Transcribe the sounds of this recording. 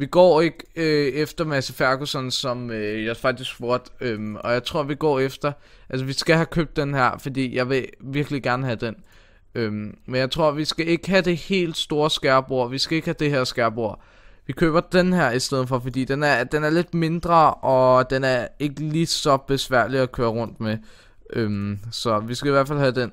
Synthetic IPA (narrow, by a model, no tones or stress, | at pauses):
ʋiɡ̥ɒ̰ːe̝ɡ̥øefd̥ɐmæsəfæɐɡ̥osɒnsɒ̽møjɑ̈fɑ̈ɡ̥̚d̥isɡ̥ʋoɐd̥ømɒ̽jɑ̈ɪt͡sʰʁo̝ɐ̰ʋiɡ̥ɒ̰ːefd̥ɐ | ʔælsəʋisɡ̥æɦækʰøːb̥̚d̥enɦæɐ̰fɒ̽d̥ḭːjɑ̈ɪʋe̝ʋiɐɡ̥əliɡ̥æɐnəɦæd̥en | ømmenjɑ̈ɪt͡sʰʁo̝ɐ̰ʋisɡ̥æe̝ɡ̥əɦæd̥e̝he̝̰ːld̥sd̥o̝ːɐsɡ̥æɐb̥o̝ɐ̰ʋisɡ̥æe̝ɡ̥hæd̥e̝heɐ̰sɡ̥æɐb̥o̝ɐ̰ | ʋikʰøːb̥ɐd̥enɦæɐ̰isd̥eð̞̰ˠn̩fɒ̽fɒd̥ḭːd̥enæɐd̥enæɐle̝d̥me̝nd̥ʁɐʔɒ̽d̥enæɐe̝ɡ̥əliːsɒ̽b̥e̝sʋæɐ̰liɒkʰøːɐʁɔ̽n̰d̥me | ʔømsɒ̽ʋisɡ̥æiʋæɐ̰̥fælhæd̥en